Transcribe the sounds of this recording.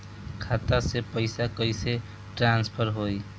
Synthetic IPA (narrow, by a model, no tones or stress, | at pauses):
kʰaːt̪asepəɪsakəɪse | ʈɾãnspʰəɾɦoj